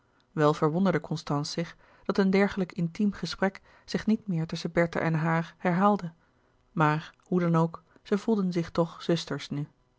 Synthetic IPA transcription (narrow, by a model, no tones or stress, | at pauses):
ʋɛlˠv̥əɹʋɔndəɹdəkɔnstɑnsɪχ | d̥ɑtəndɛɹχələkɪntimχəsprɛk | z̥ɪχnitmɪːɹtɵsəbɛɹta̰ʔɛnɦaːɹhɛɹɦaːlˠdə | maːɹhudɑnowk | z̥əv̥ulˠdənzɪχtɔχz̥ɵstəɹsny